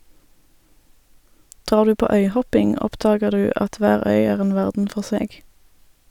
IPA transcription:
ˈdʁɑːʁ ˈdʉː ˈpoː ˈœʏˌhɔpɪŋ ˈɔpdɑːɡəʁ ˈdʉː ˈʔɑt ˈʋæːʁ ˈœʏ ˈæːʁ ˈeːn ˈʋæʁdn̩ ˈfɔʁ ˈseːɡ

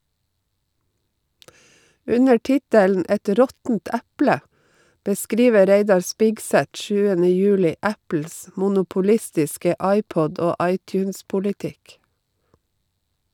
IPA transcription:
ˈʉnə ˈʈɪtəln̩ ˈɛt ˈɾɔtn̩t ˈæplə bəˈskɾiːʋəɾ ˈɾeɪdɑɾ ˈspɪksæt ˈʃʉːənə ˈjʉːlɪ ˈæpl̩s mʊnʊpʊˈlɪstɪskə ˈɑɪˌpɔd ˈoː ˈɑɪˌtjʉːnspʊlɪˌtɪk

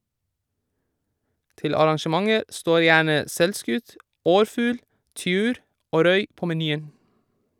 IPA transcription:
ˈtɪl ɑɾɑŋʃəˈmɑŋəɾ ˈstoːɾ ˈjæːɳə ˈsɛlˌskʉt ˈɔɾˌfʉːl ˈtʏʉːɾ ˈoː ˈɾœʏ ˈpoː mɛˈnyːən

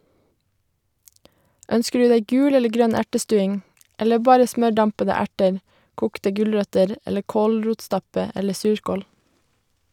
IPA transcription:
ˈœnskə ˈɖʉː ˈdæɪ ˈɡʉːl ˈɛlə ˈɡɾœn ˈæʈəˌstʉːɪŋ ˈɛlə ˈbɑːɾə ˈsmœˌɖɑmpədə ˈæʈəɹ ˈkuːktə ˈɡʉlɹœtəɾ ˈɛlə ˈkoːlˌɹuːtˌstɑpə ˈɛlə ˈsʉːɹkoːl

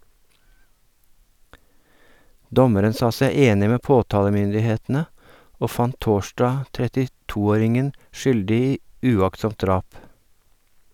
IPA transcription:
ˈdɔməɾən ˈsɑː ˈsæɪ ˈeːnɪ ˈmeː ˈpoːtɑːləmʏndɪˌheːtn̩ə ˈoː ˈfɑnt ˈtoːʃdɑː tɾɛtɪˈtuː ˈoːɾɪŋən ˈʃʏldɪ ˈiː ʉˈɑktˌsɔmt ˈdɾɑːp

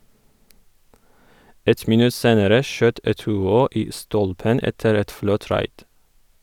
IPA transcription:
ˈɛt mɪˈnʉ ˈseːnəɾə ˈʃøːt ɛtʉːˈoː ˈiː ˈstɔlpən ˈɛtəɾ ˈɛt ˈflɔt ˈɾɑɪd

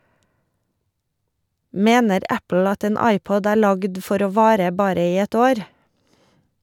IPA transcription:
ˈmeːnəɾ ˈæpl̩ ˈɑt ˈeːn ˈɑɪˌpɔd ˈæːɾ ˈlɑɡd ˈfɔɾ ˈoː ˈʋɑːɾə ˈbɑːɾə ˈiː ˈɛt ˈoːɾ

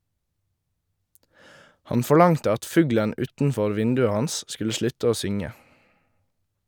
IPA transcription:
ˈhɑn fɔˈɭɑŋtə ˈɑt ˈfʉːɡlən ˈʉːtn̩ˌfɔɾ ˈʋɪndʉə ˈhɑns ˈskʉlə ˈʃlʉt ˈoː ˈsʏŋə

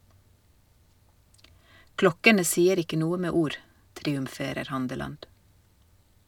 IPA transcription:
ˈklɔkənə ˈsiːəɾ ˈɪkə ˈnuːə ˈmeː ˈuːɾ tɾiːʉmˈfeːɾəɾ ˈhɑndəlɑnd

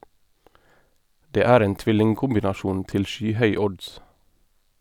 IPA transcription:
ˈdeː ˈæːɾ ˈeːn ˈtʋɪlɪŋkʊmbɪnɑˌʃuːn ˈtɪl ˈʃyːˌhœʏ ˈɔds

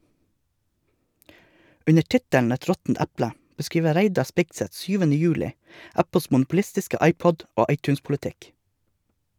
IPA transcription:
ˈʉnə ˈʈɪtæɳ ˈɛt ˈɾɔtn̩t ˈæplə bəˈskɾiːʋə ˈɾæɪdɑ ˈspɪɡsɛt ˈsyːʋn̩ə ˈjʉːlɪ ˈæpl̩s mʊnʊpʊˈlɪstɪskə ˈɑɪˌpɔd ˈoː ˈɑɪˌtʉːnspʊlɛˌtɪk

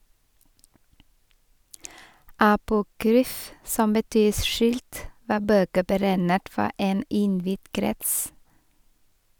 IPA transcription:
ɑpʊˈkɾyːf ˈsɔm bəˈtyː ˈʃʉːlt ˈʋɑː ˈbøːkə bəˈɾæɪnət ˈfɔ ˈeːn ˈɪnˌʋɪd ˈkɾɛts

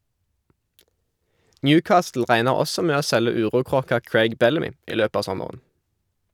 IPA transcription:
ˈnjʉːˌkɑːstl̩ ˈʁæɪnəʁ ˈɔsɔ ˈmeː ˈoː ˈsɛlə ˈʉːʁuːˌkʁoːkɑ ˈkɹeɪɡ ˈbɛləˌmiː ˈiː ˈløːp ˈɑː ˈsɔməʁən

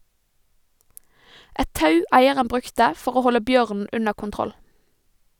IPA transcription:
ˈʔɛt ˈtɑʉ ˈæɪəʁən ˈbʁʉktə ˈfɔʁ ˈoː ˈhɔlə ˈbjøːʁnn̩ ˈʉnə kʊnˈtʁɔl

